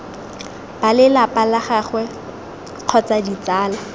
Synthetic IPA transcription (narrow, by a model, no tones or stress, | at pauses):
b̥alɪlapʼalaχaχwɛ | q͡χʰɔt͡sadit͡saːla